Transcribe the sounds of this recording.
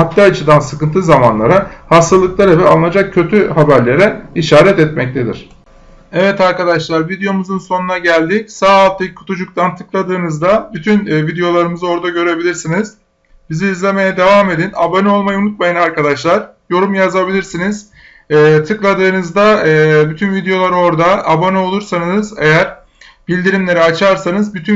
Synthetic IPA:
hat̪ʰːaːt͡ʃʰɯd̪ansɯkɯnt̪ʰɯzama̰nlˠaɾahast̪ʰalˠɯklˠaɾɯvɛalˠɯnad͡ʒak̚cʰø̞t̪ʰyɦabæɾlʲe̞ɾɛiʃaːɾɛt̪ɛt̪mɛc̚t̪ʰed̪ḭɾ̥ | ɛvɛt̪aɾkad̪aʃlˠaɾvid̪ejo̞muzɯnso̞nunaɟælʲd̪icsaːlˠt̪ʰːɯkʰːu̥t̪ʰud͡ʒuk̚t̪ʰant̪ʰɯklˠad̪ɯːnɯzd̪abyt̪ʰynːvid̪ejo̞lˠaɾɯmɯzo̞ɾd̪aɟø̞ɾe̞bilʲiɾsiniz̥ | biziːzlʲeme̞jɛd̪e̞vaːme̞d̪ina̰bo̞nɛo̞lˠmajɯunut̪̚majɯnaɾkad̪aʃlˠaɾ̥ | jo̞ɾumjazabilʲiɾsiniz̥ː | t̪ʰɯklˠad̪ɯːnɯzd̪abyt̪ʰynvid̪ejo̞lˠaɾo̞ɾd̪aabonɛo̞lˠuɾsanɯze̞̰jæɾ | bilʲd̪iɾimlʲe̞ɾiat͡ʃʰaɾsanɯzbyt̪ʰyn

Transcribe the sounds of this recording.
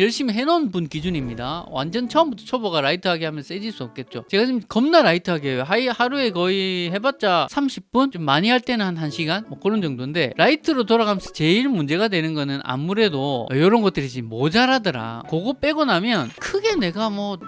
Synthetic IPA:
jʌɭɕ͈imiɦe̞nonbunkid͡ʑuɲimɲidawa̰nd͡ʑʌnt͡ɕʰʌːmbutʰʌt͡ɕʰʌboɡaɾaitʰɯɦaɡeɦamjʌns͈e̞d͡ʑiɭs͈uʌp̚k͈e̞t̚t͡ɕ͈ot͡ɕe̞ɡat͡ɕomkʌmnaɾaitʰɯɦaɡeɦejoɦaihaɾue̞kʌiɦe̞bat̚t͡ɕ͈asʰamɕʰip̚p͈unt͡ɕomːaɲiɦaɭt͈e̞nɯnhanɦanɕʰiɡanmwʌkɯɾʌnd͡ʑʌŋdonde̞ɾaitʰɯɾotoɾaɡamʌsʰʌt͡ɕe̞iɭmund͡ʑe̞ɡadwe̞nɯnɡʌnɯnʔa̰muɾe̞dojoɾʌnɡʌt͈̚ɯɾit͡ɕimːod͡ʑaɾadɯɾa̰koɡop͈e̞ɡonamjʌnkʰɯɡe̞ne̞ɡamwʌ

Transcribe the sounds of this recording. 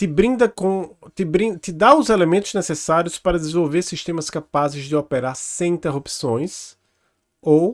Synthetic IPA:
t̪ɪbɾĩnd̪ɐkõt̪ɪbɾĩt̪ɪd̪aʊzelemẽnt̪ʊznesesaɾjʊspaɾɐd̪ezĩvowveɾsiʃt̪ẽmɐskapazɪzd͡ʒɪɔpeɾaɾsẽj̃ĩt̪eɦupsõj̃s | ow

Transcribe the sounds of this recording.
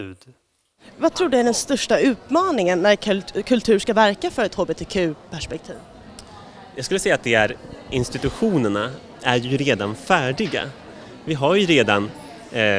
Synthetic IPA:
ʉd̪ | vat̪ʰɾuːɖɵæɖɛnst̪œʂʈaʉ̟ːt̪mɑːnɪŋənːæɾkʰɵlt̪ʰʉ̟ːʂkavæɾkafœːɾɛt̪hoːbeːt̪ʰeːkʰʉ̟ːpʰæʂpɛk̚t̪ʰiːv | jɑːɡskɵləsɛjːaːt̪̚d̪ɛæɾɪnst̪ɪt̪ɵɧuːnəɳa | æɾjɵɾeːd̪anfæːɖɪɡa̰ | vɪɦaɾjɵɾeːd̪an

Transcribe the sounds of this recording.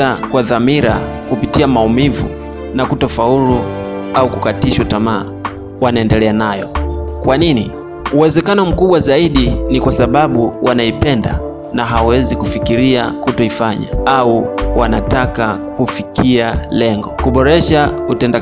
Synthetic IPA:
akwaðamiɾa | kupitiamaumivṵ | nakutɔfauɾuaukukatiʃatamaː | wanaɛndɛlɛanajɔkwanini | uwɛzɛkanɔm̩kuɓwazaiɗinikwasaɓaɓuwʔanaipɛnda̰ | naɦawawɛzikufikiɾiakutɔifaɲa̰auwanatakakufikialɛŋɡɔkuɓɔɾɛʃautɛnda

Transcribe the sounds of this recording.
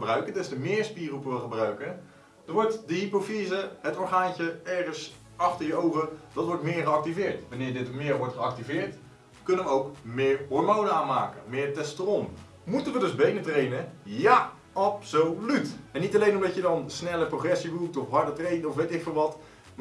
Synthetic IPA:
brœɥkədɛstəmɪːɹspiːrupəʋəχəbrœɥkə | d̥əɹʋɔɹtdəɦipofiːzəɦətɔɹχaːnt͡ʃəɛɹχəs | ɑχtəɹjəowχəd̥ɑtʋɔɹtmɪːɹχəɑk̚tivɪːɹtʋɑnɪːɹdɪtmɪːɹʋɔɹtχəɑk̚tivɪːɹt | kɵnəʋəowkmɪːɹɦɔɹmownəaːnmaːkəmɪːɹtɛstərɔn | mutənʋədɵzbejnətrejnəja | ɑpsolytɛnːitɑlejnɔmdɑtjədɑnsnɛləproχrɛsirup̚tɔfɦɑɹdətrejnɔfʋetɪkfəlˠʋɑt | m

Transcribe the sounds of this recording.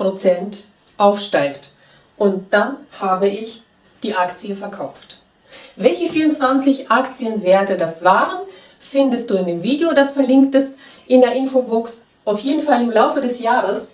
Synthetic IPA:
pʁ̥ot͡sɛnt | ʔaʊfʃtaɪkt | ʔʊntd̥anhaːbəʔɪç | d̥iːʔakt͡siəfɛɐkʰaʊft | vɛlçəfiːʁʊnt͡sv̥ant͡sɪçʔakt͡siənveːɐtədasv̥aːʁən | fɪndəstd̥uːɪndeːmviːdeodasfɛɐlɪŋktəst | ʔɪndeːɐʔɪnfʊbɔks | ʔaʊfjeːdn̩falɪmlaʊfədɛsjaːʁəs

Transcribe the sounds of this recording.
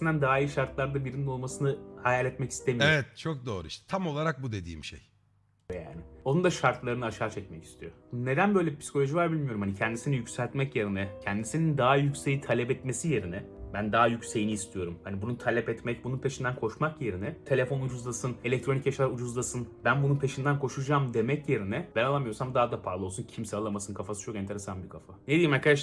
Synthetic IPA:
ind̪ænd̪aːiʃaɾt̪lˠaɾd̪abiɾinino̞lˠmasɯnɯhajalʲɛt̪mɛci̥st̪ʰemieovɛt̪̚t͡ʃʰok̚d̪o̞ːɾṵiʃt̪ʰɛ̥t̪ʰamo̞lˠaɾak̚bud̪e̞d̪ḭːmʃḛj | ja̰ːnɪo̞nund̪aʃaɾt̪lˠaɾɯnɯaʃaːt͡ʃʰɛc̚mɛci̥st̪ʰijone̞d̪ænbø̞jlʲɛpʰi̥si̥kʰo̞lʲo̞ʒivaɾbilʲmijo̞ɾumhanicʰɛnd̪isinijycʲsælʲt̪mɛcje̞ɾinɛcʰɛnd̪isinind̪aːajycse̞jit̪ʰalʲɛpɛt̪me̞sije̞ɾinɛbænd̪aːjycse̞jiniːst̪ʰijo̞ɾumhanibunut̪ʰalʲɛpɛt̪mɛcbununpʰe̞ʃind̪ænkʰo̞ʃmakje̞ɾinɛt̪ʰe̞lʲe̞fo̞nud͡ʒuzlˠasɯnelʲɛc̚t̪ɾo̞nicjaʃˠaɾud͡ʒuzlˠasɯnbænbununpʰe̞ʃind̪ænkʰo̞ʃud͡ʒaːmd̪e̞mɛcje̞ɾinɛbɛnalˠamijo̞ɾsamd̪aːd̪apʰaːlˠɯo̞lˠsuncʰimsɛalˠamasɯnkʰafasɯ̥t͡ʃʰo̞kɛnt̪e̞ɾesanbikʰafaned̪imaɾkʰad̪aʃ

